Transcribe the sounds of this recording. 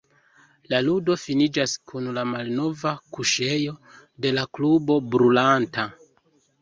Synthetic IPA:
laludo̞finid͡ʒaskunlamalno̞vakuʃe̞jo̞ | de̞laklubo̞bɾulanta

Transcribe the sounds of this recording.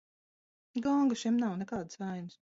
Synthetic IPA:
ɡɔŋɡaʃɛmnawnɛkaːd̪svajnɨs

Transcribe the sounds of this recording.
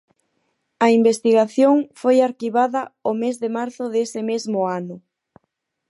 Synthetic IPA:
ɐimbest̪iɣaθjoŋfojaɾkiβaðɐomezðɪmaɾθʊðesɪmezmʊanʊ

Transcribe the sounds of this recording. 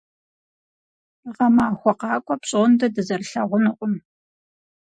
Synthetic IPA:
ʁɐmaːxʷɔqɑːkʷʼɔpɕʼoːndɐdɨzɐrɬɐʁʷʊnɨqʷʼʊm

